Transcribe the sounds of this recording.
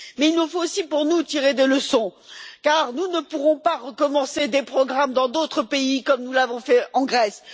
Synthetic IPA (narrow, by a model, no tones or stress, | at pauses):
mɛilnufoosipuʁnut̪iʁed̪eləsɔ̃kaʁnunəpuʁɔ̃paʁəkɔmɑ̃sed̪epχɔɡʁamd̪ɑ̃d̪ot̪χəpeikɔmnulavɔ̃fɛɑ̃ɡʁɛs